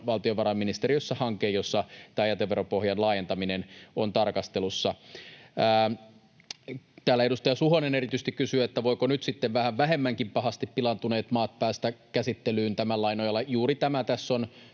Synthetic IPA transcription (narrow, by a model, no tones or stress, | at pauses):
ʋɑlt̪ioʋɑɾɑmːinist̪eɾijosːɑhɑŋkːˑeːjosːɑt̪æːjɑt̪eʋeɾopohjɑnlɑːjent̪ɑminenont̪ɑrkɑst̪elusːɑ | t̪æːlːæeɾust̪ɑjɑsuɦonenerit̪yst̪ikysyæet̪ːæʋoikonyt̪sit̪ːeʋʋæhæʋʋæɦe̞mːæŋkimpɑɦɑst̪ippilɑnt̪une̞ːt̪mɑːt̪̚pæːst̪ækæsit̪ːelyːnt̪æmælɑinojɑlːɑjuːrit̪æmæt̪æsːon